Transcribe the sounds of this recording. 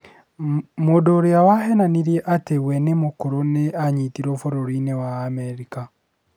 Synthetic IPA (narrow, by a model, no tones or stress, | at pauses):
modoɾiawaɦɛnaniɾjɛʔateɣwɛnemokoɾoneaɲitiɾɔfoɾoɾinewaːmɛɾika